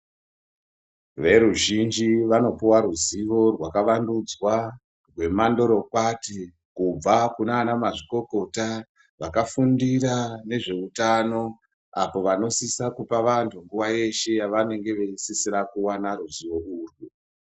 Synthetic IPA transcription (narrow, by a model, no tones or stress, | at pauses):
ʋe̞ɾuʒind͡ʒiʋano̞puwaruziʋo̞rwakaʋandud͡zwa | rwe̞mando̞ɾo̞kwati | kub͡vakunaːnamaʐiko̞ko̞ta | ʋakafundirane̞ʐe̞utano̞ | apo̞ʋano̞sisakupaʋantʰuŋɡuʋaje̞ʃe̞jaʋane̞ŋɡe̞ʋe̞sisirakuwanaɾuziʋo̞uːrwu